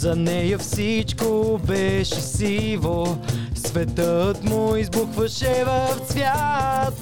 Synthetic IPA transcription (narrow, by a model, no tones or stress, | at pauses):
zɐnɛjəfsit͡ʃkobɛʃɛsilˠosvɛt̪ət̪mʊizbuxvɐʃɛvɐfsvʲjat̪